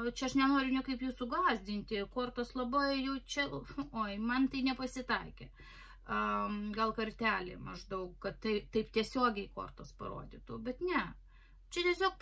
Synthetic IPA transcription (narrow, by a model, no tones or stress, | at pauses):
t͡ʃʲɛɐʃnʲɛnoːɾʲʊnʲɛkɐɪpjuːsʊɡlˠɑːzʲd̪ʲɪnʲt̪ʲɪkoːrt̪oslˠɐbɐɪjɛʊt͡ʃʲɛoːɪmɐnt̪ɐɪnʲɛpɐsʲɪt̪ɐɪkʲɛ | ɡɐlˠkɐrʲt̪ʲæːlʲɪ̰mɐʒd̪ɐʊkkɐt̪tɐɪt̪ɐɪpt̪ʲiɛsʲoːɡʲɛɪko̰ːrt̪ospɐ̰ɾo̰ːd̪ʲɪt̪uːbʲɛt̪nʲɛ | t͡ʃʲɛt̪ʲiɛsʲoːk̚